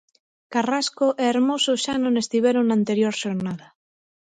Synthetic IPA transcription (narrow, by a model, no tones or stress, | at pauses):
karaskoʔeeɾmosoʃanõnest̪iβeɾoŋnant̪eɾjoɾʃoɾnaða